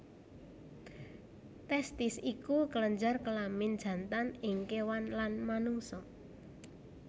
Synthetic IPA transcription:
t̪ɛst̪ɪsikukələɲd͡ʒarkəlamɪnd̥d͡ʒ̥a̤nt̪anɪŋkewanlanmanuŋsɔ

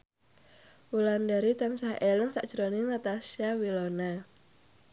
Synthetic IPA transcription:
wulandaɾit̪ansaheləŋsaʔd̥ʒ̥ɾonɪnat̪asiawilona

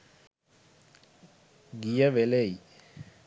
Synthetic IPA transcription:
ɡijɐʋeleji

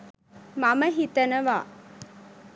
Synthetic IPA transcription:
maməɦit̪ənəʋaː

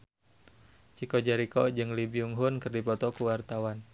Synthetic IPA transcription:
t͡ʃikɔd͡ʒaɾikɔd͡ʒɨŋlibiuŋɦʊnkərdipɔt̪ɔkuwart̪awan

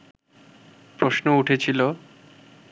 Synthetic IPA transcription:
pɾoʃnouʈʰet͡ɕʰilo

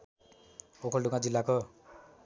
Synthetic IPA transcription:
okʰʌlɖuɡãd͡zilːako

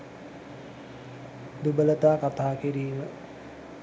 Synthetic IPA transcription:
d̪ubələt̪aːkat̪aːkiɾiːmə

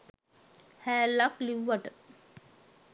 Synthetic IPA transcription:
hæːlakliwːaʈə

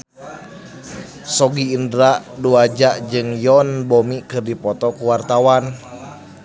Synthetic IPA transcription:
sɔɡiːndɾaʔduad͡ʒaʔd͡ʒɨŋjɔnbomikɨrdipɔt̪ɔkuwart̪awan

